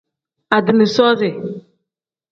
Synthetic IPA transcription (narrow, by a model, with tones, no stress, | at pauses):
a˨dɪ˨nɪ˨sɔː˦sɪ˨